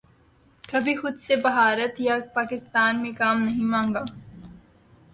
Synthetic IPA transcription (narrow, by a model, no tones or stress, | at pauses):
kɐbʱixʊd̪sebɐɦaːɾət̪japaːkɪst̪aːnmẽkaːmnɐɦĩmãːŋɡaː